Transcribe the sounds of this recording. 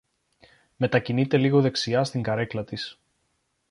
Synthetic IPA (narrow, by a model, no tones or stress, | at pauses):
me̞t̪ɐcinit̪e̞liɣo̞ðe̞ksiɐst̪iŋɡɐɾe̞klɐt̪is